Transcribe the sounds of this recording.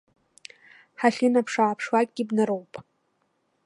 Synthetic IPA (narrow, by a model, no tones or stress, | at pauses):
ħaɬʲɪnapʰʂaːpʰʂwak̚ʼɡʲɪbnaɾowpʼ